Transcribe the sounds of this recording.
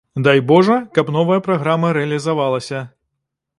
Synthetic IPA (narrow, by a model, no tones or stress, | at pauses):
d̪ajbɔʐɐkɐpn̪ɔvɐjɐpɾaɣɾamɐɾɛɐlʲizavalˠɐsʲɐ